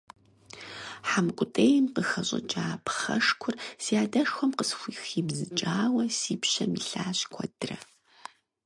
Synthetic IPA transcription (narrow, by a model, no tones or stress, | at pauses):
ħamɨkʷʼʊtʼeːjmqəxɐɕʼɐ̰t͡ʃʼaːpχɐ̰ʂkʷʰʊrsiaːdɐʂxʷɔmqəsxʷiːxiːbzɨt͡ʃʼaːwɐsiːpɕɐmiɬaːɕkʷʰɔd̥rɐ